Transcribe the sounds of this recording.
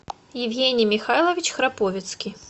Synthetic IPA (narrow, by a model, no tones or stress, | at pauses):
jɪwɣʲenʲijmʲixajlˠɐvʲit͡ɕxɾapɔvʲɪt̪skʲi